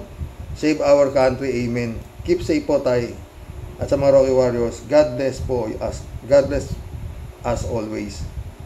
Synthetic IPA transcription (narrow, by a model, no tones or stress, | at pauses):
sejvawəɹkant̪ɾiʔejmɛnkipsejpot̪aj | ʔɐt̪sɐmɐŋaɾokɪwaɹjosɡad̪̚lɛsposɡad̪lɛs | ʔɐsʔolwɛjs